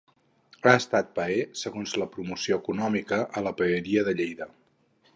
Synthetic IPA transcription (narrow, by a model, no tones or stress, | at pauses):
aəst̪at̪̚pəesəɣonzləpɾumusioəkunɔmikəʔːləpəːɾiəðəʎejðə